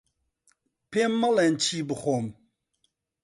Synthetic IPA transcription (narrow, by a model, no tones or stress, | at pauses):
pemːɐlent͡ʃʰiːbɨxom